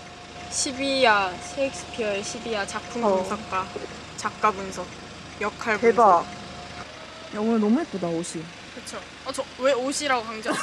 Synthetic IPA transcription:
ɕʰibiasʰeek̚s͈ʰɯ̥pʰijʌeɕʰibiat͡ɕapʰuŋnsʰʌk̚k͈a | t͡ɕak̚k͈abɯnsʰʌ | jʌkʰaɭpeba | jʌŋunɯnɔmuɦet̚p͈odaoɕʰi | kɯt͡ɕʰo | t͡ɕʌweoɕʰiɾaɡokaŋd͡ʑa

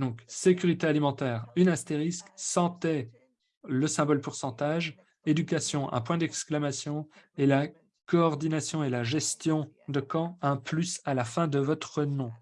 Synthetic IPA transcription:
d̪ɔ̃ksekʲyʁit̪ealimɑ̃t̪ɛːʁynast̪eʁisksɑ̃t̪ɛ | ləsɛ̃bɔlpuʁsɑ̃t̪aʒ | ed̪ykasjɔ̃ʔɛ̰̃pwɛ̃d̪ɛksklamasjɔ̃ela | kɔːʁd̪inasjɔ̃elaʒɛst̪jɔ̃d̪əkɑ̃ɛ̃plysalafɛ̃d̪əvɔt̪χənɔ̃

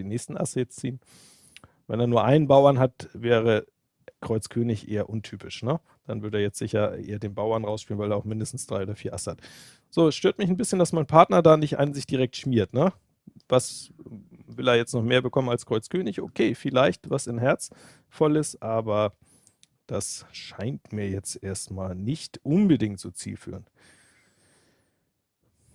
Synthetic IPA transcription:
iːnɛːçstn̩ʔa̰səjɛt͡st͡siːən | vɛ̰neːɐnuːɐʔaɪnənbaʊɐnɦatvɛːʁə | kʁ̥ɔʏt͡skʰøːnɪçʔḛːɐʔʊntʰyːpʰɪʃnə | d̥anvʏɐɾəeːɐjɛt͡stz̥ɪçɐʔḛːɐdeːnbaʊɐnʁaʊsʃpiːlənvaɪleːaʊxmɪndəstn̩sd̥ʁaɪoːdɐfiːɐʔa̰səhat | z̥oːɛsʃtøːɐtmɪçn̩bɪsçənd̥asmaɪnpʰaɐtnɐdaːnɪçtʔa̰ɪnənzɪçd̥iʁɛk̚tʃmiːɐtnə | vas | vɪleːɐjɛt͡stnɔχmeːɐbəkʰɔmənalskʁ̥ɔʏt͡skʰøːnɪçʔo̰kʰeːfɪlaɪçtvasɪnɦɛɐt͡s | fɔlɪstʔaːbɐ | d̥asʃaɪntmiːɐjɛt͡stʔeːɐstmaːlnɪçtʔʊnbədɪŋtz̥oːt͡sḭːlfy̰ːʁən

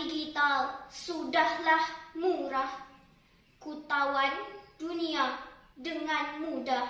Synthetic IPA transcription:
iɡit̪alsudahlahmuɾah | kut̪awanduniadəŋanmuda

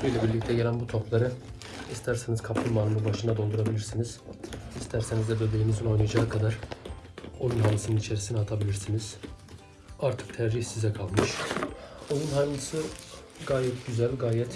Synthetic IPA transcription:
bøjlʲɛbiɾlʲic̚t̪ʰɛɟe̞lʲænbut̪ʰo̞plˠaɾɯ | ist̪ʰæɾsenizkʰap̪ʰɯnmanɯmˠɯnbaʃɯnd̪ad̪o̞lˠd̪uɾabilʲiɾsiniz̥ist̪ʰæɾse̞nizd̪ɛbø̞be̞limizino̞jnɯjad͡ʒaːkʰad̪aɾ̥ | o̞junɦanːɯsɯnɯnit͡ʃʰe̞ɾisinɛɦat̪ʰabilʲiɾsiniz̥ | aɾt̪ʰɯ̥k̚t̪ʰɛɾʒiçsizɛkʰalˠmɯʃ | o̞junɦanlɯsɯ | ɡaːjɛt̪̚ɟyzælʲɡaːjɛt̪

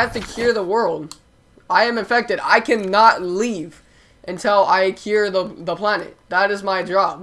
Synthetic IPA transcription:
æftɨkʰj̥ʊɹðəwɜ˞lˠd | aɪɨ̃mɨ̃ɱfɛk̚tɨɾa̰ɪkʰɨ̃nətˡliv | ʔɨ̃ntʰɪlˠaɪkʰj̥ʊɹðəðəpʰl̥ænɨ̰t̚ðəɾɨzmaɪdɹɑb̥̚

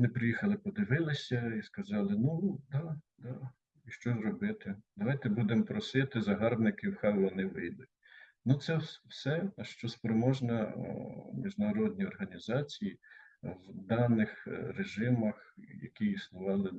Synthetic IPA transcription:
nɪpɾɪjixɐlˠɪpɔd̪ɪʋɪlˠɪsʲɐiskɐzɑlˠɪnud̪ɑd̪ɑ | iʃt͡ʃɔzɾɔbɪt̪ɪd̪ɐʋɑjt̪ɛbud̪empɾɔsɪt̪ɪzɐɦɑrbnɪkɪwxɑjʋɔnɪʋɪjd̪ɪ | nut̪sɛwsɛʃt͡ʃɔspɾɔmɔʒnɐ | mʲiʒnɐɾɔd̪ʲnʲiɔrɦɐnʲizɑt͡sʲijiwd̪ɑnɪxɾeʒɪmɐxjɐ̰kʲiisnʊʋɑlˠɪ

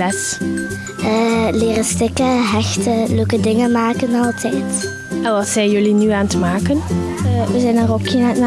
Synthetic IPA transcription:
ɛs | əːleːrəstɪkəɦɛxtəløkədɪŋəmaːkənɑlˠtʰɛjt | ɛnʋɑtsɛjjɵlinyaːntəmaːkənəʋəzɛjnarokinətna

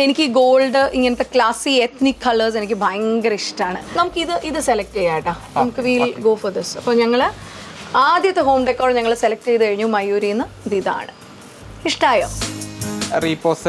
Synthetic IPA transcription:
e̞nikʲːɨɡoːlɖɨʔiŋːɐnɐt̪ːe̞klaːsiet̪nikʰːɐlɐrse̞nikʲːɨbʱɐjŋɡɐɾiʂʈaːɳɨnɐmukːɨiðɨʔiðɨselɐk̚ʈejːaːjiʈːɐnɐmukːɨʋilɡoːfɐrd̪isɐpːoːɲɐŋːɐɭ | aːd̪jɐt̪ːeɦo̞ːmɖekːoːɖɲɐŋːɐɭeselɐk̚ʈːejðɨkɐɻiɲːumɐjuːɾiunːɐ | d̪iða̰ːɳɨ̰ | iʂʈaːjo̰ː | riːpoːs

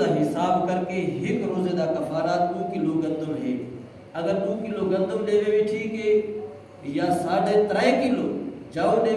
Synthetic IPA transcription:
aːɦɪsaːbkəɾkeɦɪkɾoːzeːd̪aːkɐfaːɾaːt̪̚ũːkiloːɡɐ̃nd̪ʱõːɦeː | ɐɡəɾũːkɪloːɡɐ̃nd̪ʱõːɗeːʋeːʋeʈʰiːkɦeː | jaːsaːɽet̪ɾaːĩkɪloːd͡ʒaːõɗeː

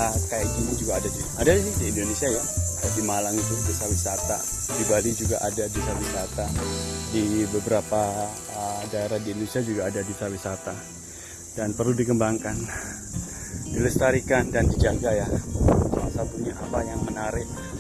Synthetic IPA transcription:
kajad͡ʒinid͡ʒuɡaːdadi | adadisiiːndonesiajadadimalaŋit̪ʊdusawisat̪a̰ | dibalid͡ʒuɡa̰ʔadadusawisat̪adibəbəɾapa | ədaeɾahdiindonesiad͡ʒuɡaːdadusawisat̪a | d̥anpərludikəmbaŋkan | diləst̪aɾikandandid͡ʒaɡajasaasapurɲaʔapajaŋmənaɾɪʔ

